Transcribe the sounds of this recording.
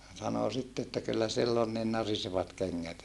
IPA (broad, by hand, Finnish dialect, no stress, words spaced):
sɑno sitːe etːæ kylːæ silː on nin nɑriseʋɑt keŋːæt